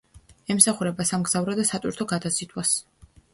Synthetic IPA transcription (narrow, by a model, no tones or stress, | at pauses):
ɛmsaχuɾɛbasamɡz̥avɾɔd̪asat̪ʼwḭɾt̪ʰɔɡad̪asit̪ʰʼwas